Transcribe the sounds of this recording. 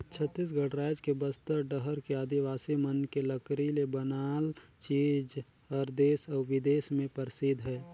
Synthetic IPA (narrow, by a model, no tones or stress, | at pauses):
t͡ʃʰət̪ːis̬ɡʱəɽɾaːɪd͡ʒkebəst̪əɾɖəɦəɾkeaːd̪iʋaːsimənkeləkɾilebənaːlt͡ʃiːd͡ʒ | ɔːɾd̪eːsɔʋɪd̪eːsmẽpəɾsid̪ʱɦɛː